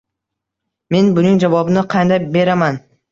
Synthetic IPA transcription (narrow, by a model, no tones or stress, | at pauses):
me̞nbʊnɪŋd͡ʒavɒbɪnɪqʰɑnd̪ajbe̞ɾaman